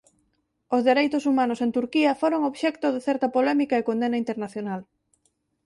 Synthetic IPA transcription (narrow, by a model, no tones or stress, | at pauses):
ozðeɾejt̪ʊsumanosent̪uɾkiɐfoɾoŋoβʃɛkt̪oðeθɛɾt̪ɐpolɛmikaekõnd̪enaint̪eɾnaθjonal